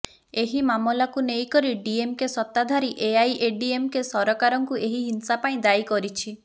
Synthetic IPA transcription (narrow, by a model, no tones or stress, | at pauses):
eɦimamɔlakunejkɔɾiɖiemkesɔt̪ːad̪ʱaɾiʔeajʔeɖiemkesɔɾɔkaɾɔŋkueɦiɦinsapaĩd̪ajkɔɾit͡ʃʰi